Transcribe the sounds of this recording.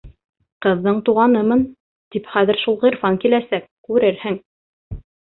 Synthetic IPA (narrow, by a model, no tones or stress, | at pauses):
qɤ̆ðːɤɴt̪uʁɑnɤmɤn | t̪ipχæðɘ̆ɾʃulˠʁɤɾfɑŋkilæsæk̚kʉɾɘɾhɘŋ